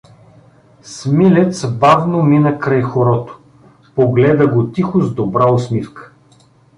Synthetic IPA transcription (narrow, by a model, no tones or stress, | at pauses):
smilɛt̪sbavnominəkɾajxoɾɔt̪o̥ | poɡlɛd̪əɡot̪ixʊzd̪obɾaosmifkə̥